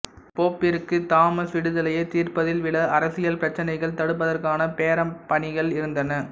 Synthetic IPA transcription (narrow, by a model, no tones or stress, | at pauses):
poːpːɪɾɯkːɯt̪aːmɐsʋɪɽɯðɐlɐjɐt̪iːrpɐðɪlʋɪɭɐʔɐɾɐsɪjɐlpɪɾɐt͡ʃːɐnɐɪɣɐɭt̪ɐɽɯp̬ːɐðɐrkaːnɐpeːɾɐmpɐɳɪɣɐɭɪɾɯnd̪ɐnɐ